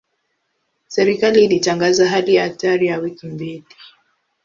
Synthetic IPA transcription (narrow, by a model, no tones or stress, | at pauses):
sɛɾikaliːlitaŋɡazaɦalijaataɾijawikimbili